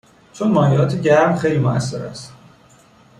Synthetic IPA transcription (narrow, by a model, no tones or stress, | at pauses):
t͡ʃʰonmɒːjeɒːt̪ʰeɟæɾmxe̞jlimoæ̰sːeɾæ̰st̪